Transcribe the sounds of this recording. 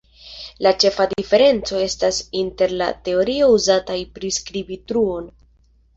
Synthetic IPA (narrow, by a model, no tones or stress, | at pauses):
lat͡ʃe̞fadife̞ɾe̞nt͡so̞e̞stasinte̞ɾla̰te̞o̞ɾio̞uzatajpɾiskɾibitɾuo̞n